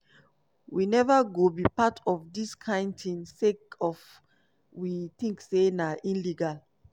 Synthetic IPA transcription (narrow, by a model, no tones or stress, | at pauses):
winɛvaɡobipatʰɔfdiskʰãɪ̃ndtĩnsekɔf | wit̪ĩŋksenaʔĩnliɡal